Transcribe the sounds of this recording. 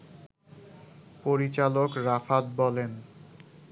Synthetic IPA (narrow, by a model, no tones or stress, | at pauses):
poɾit͡ɕalokɾafat̪̚bɔlen